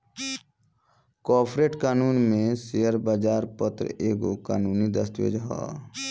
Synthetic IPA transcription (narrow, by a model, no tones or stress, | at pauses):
kɔːpʰɾeːʈkaːnuːnmẽseːəɾbaːd͡ʒaːɾpət̪ɾ̰eːɡokaːnuːnid̪əst̪ʋḛːd͡ʒɦa̰ː